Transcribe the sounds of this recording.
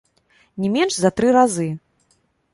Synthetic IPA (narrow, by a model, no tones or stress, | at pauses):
nʲɛmʲɛnʂzɐt̪ɾɨɾazɨ